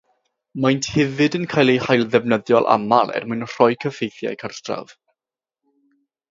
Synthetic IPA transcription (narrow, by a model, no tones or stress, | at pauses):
majntʰhɪvɨdənkʰajlˠejhajlˠðɛvnəðjɔlˠʔa̰malˠɛ̰rmʊɨnr̥ɔjkʰəfejθja̰jkʰərtʰra̰v